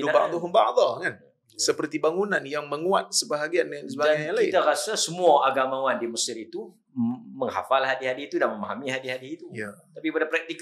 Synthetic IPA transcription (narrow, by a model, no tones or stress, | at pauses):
duaba̰ʔd̪ɔɦunba̰ʔd̪ɑkan | səpərt̪ibaŋunanjaŋməŋuat̪̚səbaɦaɡianansəbaaaalkaiɪ̰t̪aɾasasəmuaʔaɡamãwandiməsɪɾit̪u | məŋha̰falhadiɦadiit̪udanməmaɦamiɦadiɦadiit̪ujat̪apikpadapɾak̚t̪ik